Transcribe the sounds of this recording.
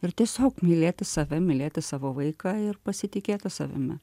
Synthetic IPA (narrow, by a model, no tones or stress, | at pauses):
ɪɾt̪ʲiɛsʲoːkmʲɪlʲeːt̪ʲɪsɑʋʲɛmʲɪlʲeːt̪ʲɪsɑːʋoːʋɐɪkɑːɪrpɐsʲɪt̪ʲɪkʲeːt̪ʲɪsɑ̰ʋʲɪ̰mʲɛ̰